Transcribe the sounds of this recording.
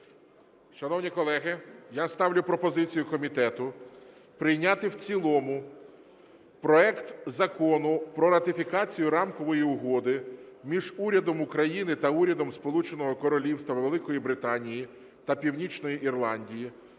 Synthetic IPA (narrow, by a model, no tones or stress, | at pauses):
ʃɐnɔwnʲikɔlˠɛɦɪjast̪ɑwlʲʊpɾɔpɔzɪt͡sʲijʊkɔmʲit̪ɛt̪ʊ | pɾɪjnʲat̪ɪwt͡sʲilˠɔmʊ | pɾɔɛkt̪zɐkɔnʊpɾɔɾɐt̪ɪfʲikɑt͡sʲijʊɾɑmkɔʋɔjiʊɦɔd̪ɪmʲiʒuɾʲɐd̪ɔmʊkɾɐjinɪt̪ɐuɾʲɐd̪ɔmspɔlˠut͡ʃenɔɦɔkɔɾɔlʲiwst̪ɐʋʋelˠɪkɔjibɾɪt̪ɑnʲiji | t̪ɐpʲiwnʲit͡ʃnɔjiʔirlˠɑnʲdʲiji